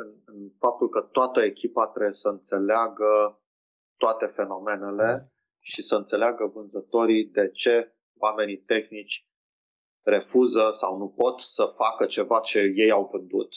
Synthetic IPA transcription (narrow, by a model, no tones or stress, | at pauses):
ɨnɨnfap̚t̪ulkət̪oat̪əe̞kʲipat̪ɾe̞bjesəɨnt̪se̞leaɡə | t̪oat̪e̞fe̞no̞me̞ne̞le̞ | ʃisəɨnt̪se̞leaɡəvɨnzət̪o̞ɾid̪e̞t͡ʃe̞ | wame̞nit̪e̞xnit͡ʃʲ | re̞fuzəsa̰wnupo̞t̪səfakət͡ʃe̞vat͡ʃe̞je̞jawvɨnd̪ṵt̪